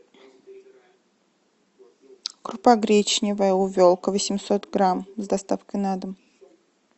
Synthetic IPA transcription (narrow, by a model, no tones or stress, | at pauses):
kɾʊpaɡɾʲet͡ɕnʲɪvəjəʊvʲolˠkəvəsʲɪmʲsot̪ɡɾamzd̪ɐst̪afkəjnad̪əm